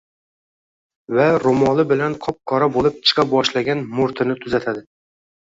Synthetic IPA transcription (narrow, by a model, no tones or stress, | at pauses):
vaɾomɒlˠɪbɪlanqʰɒp̚kʰɒɾabolˠɪp̚t͡ʃʰɨ̥qʰɑp̚bɒʃlaɡʲanmʊɾt̪ʰɪnɪt̪ʰʊzat̪ʰad̪ɪ